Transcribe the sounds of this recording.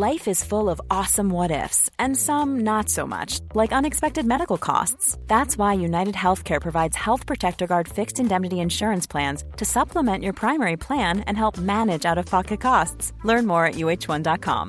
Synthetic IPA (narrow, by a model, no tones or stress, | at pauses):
laɪfɨz̥fʊlˠʌvɔsə̃mwʌɾɪ̰fsɨ̃nsʌ̃mnətsoʊmʌ̰t͡ʃlaɪkʌ̃nɨkspɛk̚tɨd̚mɛɾɨkl̩ˠkʰɔ̰stsðætswaɪjʉnaɪɾɨd̚ɦɛlˠθkʰɛɹpʰɹ̥ɨvaɪdz̥hɛlˠθpʰɹ̥ɨtʰɛk̚tə˞ɡɑɹd̥fɪkstɨ̃ndɛmnɨɾiɨ̃nʃʊɹɨ̃nspʰl̥æ̃nz̥tʰɨsʌpʰləmɛ̃nt͡ʃə˞pʰɹ̥ãɪ̃mɛɹipʰl̥æ̃nɨ̰̃nɦɛlˠp̚mænɨd͡ʒaʊɾʌv̥pʰɑkɨt̚kʰɔsts | lɜ̃˞nmɔɹɨʔjʉeɪt͡ʃwʌ̃ndɑt̚kʰɑ̰̃m